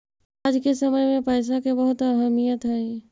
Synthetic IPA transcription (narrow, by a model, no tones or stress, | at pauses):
aːd͡ʒkesəməjmẽpəːs̬akebəɦʊt̪əɾɦəmijət̪ɦɛĩ